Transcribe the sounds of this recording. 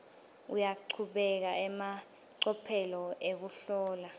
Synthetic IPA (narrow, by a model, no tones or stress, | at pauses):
ṵjaǃʰuɓɛk̬aɛma | ǀɔpʰɛlɔʔek̬uɬɔːla